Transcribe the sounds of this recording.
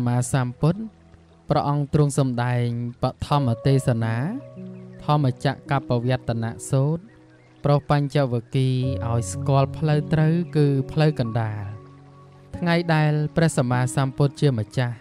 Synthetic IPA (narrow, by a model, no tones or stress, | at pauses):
maːsaːmpʊt̪̚ | prɑ̆ʔɑŋt̪rʊ̆əŋsɑmɗaɛŋpəʔt̪ʰɑmːət̪eːsanaː | t̪ʰɑmːət͡ɕaʔkapːaʋiət̪ʰːana̰ʔsoːt̪̚ | prohpaɲt͡ɕəʔʋiəkiːʔaɔjskŏəlpʰləwt̪rəwkɨːpʰləwkɑnɗaːl | t̪ʰŋajɗaɛlprɛ̆əhsamaːsaːmpʊt̪̚t͡ɕiəmət͡ɕah